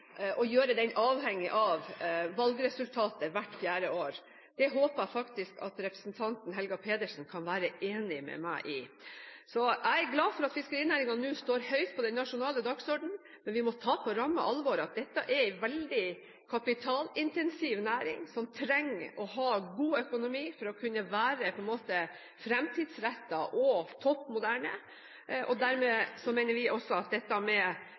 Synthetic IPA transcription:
ʔɔjøːɾəd̪ɛnʔɑːʋhɛŋːɪʔɑʋʋɑlɡɾɛsʉlt̪ʰɑːt̪əʋæʈːfjæːɾəoːɾ | d̪̥ɛɦoːpəæɪfɑkt̪ɪskɑ̰t̪ɾɛpɾəsnt̪ʰɑnt̪n̩ɦɛlɡɑpʰeːd̪əʂn̩kʰɑnʋæːɾəʔeːnɪmɛ̰mæ̰ɪʔɪsɔʔæɪæɾɡlɑːfɔɾɑt̪fɪskəɾiːnæːɾɪŋɑnnʉːst̪oːɾhœʏt̪̚pʰɔd̪ɛnːɑʂʊnɑːləd̪ɑɡsɔɖɳ̩ | mɛnʋɪmɔt̪ʰɑːpʰɔɾɑmːə̰ʔɑlʋɔɾɑt̪̚d̪ɛt̪ːɑʔɛɾɪʋɛld̪ɪ | kʰɑpɪt̪ʰɑːlɪnt̪ɛnsiːʋnæːɾɪ̰ŋsɔmt̪ʰɾɛŋːɔɦɑːɡuːœkʊnʊmiːfɔɾɔkʰʉnːəʋæːɾəpʰɔɛnmoːt̪ə | fɾɛmt̪ʰiːd̪sɾæt̪ːɑʔɔt̪ʰɔpːmʊd̪æːɳə̰ | ʔɔd̪æɾmeːsɔmɛɪnəɾʋɪʔɔsːɔɑt̪̚d̪ɛt̪ːɑmɛ

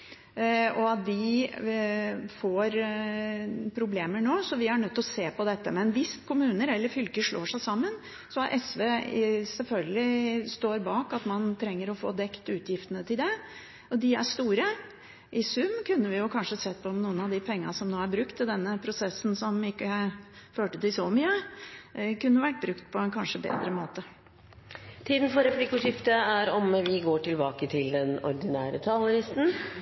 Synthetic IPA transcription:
ɔɑt̪d̪ɪ | foːɾ | pʰɾʊbleːməɳoːsɔʋɪæɳœt̪ːɔseːpɔd̪ɛt̪ːəmɛɛnʋɪskʰʊmʉːnəɾɛlːəɾfʏlkəʂɭo̰ːʂæɪsɑmːən | sɔɑɾʔɛsʋeːsɛlfœlɡəlɪst̪oːɾbɑːkɑt̪mɑnt̪ʰɾɛŋːəɾɔfo̰ːd̪ɛkt̪ʉːt̪ʰjɪft̪ənət̪ʰɪld̪ɛ | ɔd̪ɪæ̰ʂt̪uːɾə | ʔɪsʉmːkʰʉnːəʋɪjʊkʰɑnʂəsɛt̪ːpʰɔɔmnuːənɑʋd̪ɪpʰɛŋːənsɔmnoːæɾbɾʉkt̪ʰːɪld̪ɛnːəpʰɾʊsɛsːn̩sɔmɪkːəæføːʈət̪ɪlsɔmyːə | kʉnːəʋæʈ̚ːbɾʉkt̪pʰɔɛnkʰɑnʂəbḛːd̪ɾəmoːt̪ə | t̪ʰiːd̪n̩fɔɾɛpliːkʉʂɪft̪əæɾɔmʋɪɡoːʈɪlbɑːkət̪ʰɪld̪ɛnɔ̰ɾd̪ɪnæːɾə̰t̪ʰɑlʊɾɪst̪n̩

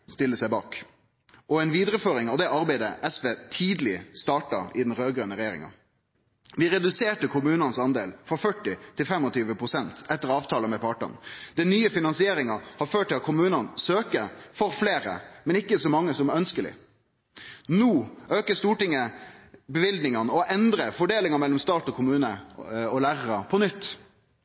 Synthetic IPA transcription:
st̪ɪlːəsæɪbɑːk | ʔɔɛɪnʋiːd̪ɾəføːɾɪŋɑʋd̪ɛɑʁbæɪd̪əʔɛsʋeːt̪ʰiːd̪lɪst̪ɑːʈɑɪd̪n̩ɾøːɡʁœːnəɾɛjeːɾɪ̰ŋɑ̰ | ʋɪɾɛd̪ʉseːʈəkʰʊmʉːnɑnsɑnd̪eːlfʁɔfœʈːɪt̪ʰɪlfɛmɔt̪ʰyːʋəpʰɾʊsɛnt̪ɛt̪ːəɾɑːʋt̪ʰɑːləmɛpʰɑʈɑ̰nd̪̥ɛnyːəfɪnɑnsɪeːɾɪŋɑhɑɾføːʈ̚ʰːɪlɑt̪̚kʰʊmʉːnɑnsøːkəfɔɾfleːɾə̰mɛnɪkːəsɔmɑŋːəsɔmɛɾœnskəlɪ̰ | nuːʔøːkəst̪uːʈɪŋːəbəʋɪld̪nɪŋɑnəɔʔɛnd̪ɾəfɔɖeːlɪŋɑmɛlːɔmst̪ɑːt̪ɔkʰʊmʉːnəɔlæːɾəɾɑpʰɔnʏt̪ː

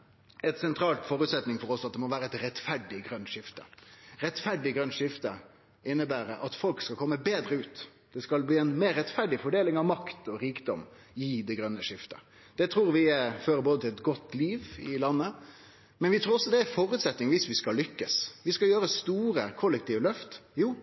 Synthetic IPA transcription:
ɛt̪sɛnt̪ʰɾɑːlt̪fɔːɾʉːt̪sɛt̪nɪŋfɔɾɔsɑt̪̚d̪ɛmɔʋæːɾəɛɪt̪ɾɛt̪fæɖɪɡɾœnt̪ʂɪft̪ə̥̰ɾɛt̪fæɖɪɡɾœnːʂɪft̪ə | ɪnːəbæːɾəʔɑt̪fɔlkskɑkʰɔmːəbeːd̪ɾəʉːt̪d̪̥ɛskɑlb̪iːɛnmeːɾːɛt̪fæɖɪfɔɖeːlɪŋɑʋmɑkt̪ɔɾiːkd̪ɔm | ɪd̪ɛɡɾœnːəʂɪft̪ə | d̪̥ɛt̪ʰɾuːɾʋɪføːɾəboːd̪ət̪ʰɪlɛt̪ɡɔt̪ːliːʋɪlɑnːə | mɛnʋɪt̪ʰɾuːɾɔsːɔd̪ɛæfɔːɾʉːt̪sɛt̪nɪŋʋiːsʋɪskɑlʏkːəsʋɪskɑljøːɾəst̪uːɾəkʰɔlːɛk̚t̪ʰiːʋəlœft̪juː

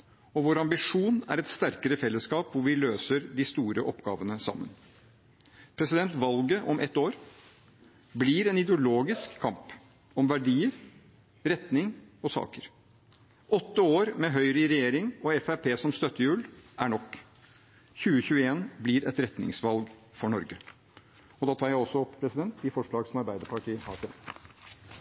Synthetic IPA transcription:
ɔʋoːɾɑmbɪʂuːnæ̰ɾɛt̪st̪æɾkəɾəfɛlːəskɑːpʋʊʋɪløːsəɾd̪ɪst̪uːɾəʔɔpɡɑ̰ːʋənəsɑ̰mːə̰n | pʰɾɛsɪd̪ɛnt̪ʋɑlɡəʔɔmʔɛt̪ːoːɾ | bliɾɛnɪd̪ɛʊloːɡɪskʰːɑmp | ɔmʋæɖiːəɾ | ɾɛt̪nɪŋɔsɑ̰ːkəɾ | ɔt̪ːəoːɾmɛɦœʏɾəɪɾɛjeːɾɪŋɔɛfæpʰeːsɔmst̪œt̪ːəjʉːlʔæɳɔkː | çʉːəçʉːəeːnbliɾɛt̪ɾɛt̪nɪ̰ŋsʋɑlɡ | fɔɳɔɾɡə | ɔd̪ɑːt̪ʰɑːɾjæɪɔsɔɔppʰɾɛsɪd̪ɛnt̪ɪfɔʂɭɑːɡsɔmɑɾbæɪd̪əpɑʈʰiːɑ̰ːt̪ʰeː

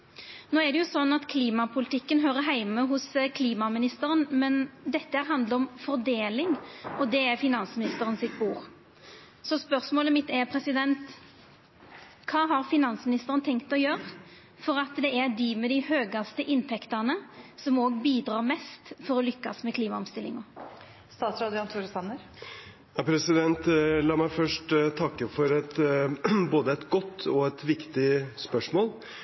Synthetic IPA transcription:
noːɛd̪ɛjʊsɔnːɑt̪kʰliːmɑpʰʊlɪt̪ʰɪkːənɦøːɾəɦæɪməɦʊskʰliːmɑmɪnɪst̪əɾənmɛnd̪ɛt̪ːəhæːɾɦɑnd̪ləɾɔmfɔɾd̪eːlɪŋɔd̪ɛæɾfɪnɑnsmɪnɪst̪əɾənsɪt̪buːɾ | sɔspœʁsmoːləmɪt̪ːɛɾpʰɾɛsɪd̪ɛnt̪ | kʰɑːɦɑɾfɪnɑnsmɪnɪst̪əɾənət̪ʰɛŋkt̪ɔjøːɾə | fɔɾɑt̪d̪ɛæɾd̪imɛd̪ɪhøːɡɑst̪əʔɪnt̪ʰɛkt̪ɑnəsɔmoːɡbiːd̪ɾɑːʁmɛst̪fɔɾɔlʏkːɑsmɛkʰliːmɑɔmst̪ɪlɪ̰ŋɔ | st̪ɑːt̪sɾɑːd̪ɪɑnt̪ʰuːɾsɑnəɾ | jɑpʰɾɛsɪd̪ɛnt̪lɑːmæɪfœʂʈt̪ʰɑkːəfɔɾɛt̪ | boːd̪əɛt̪ɡɔt̪ːɔɛt̪ʋɪkt̪ɪspœʂmoːl

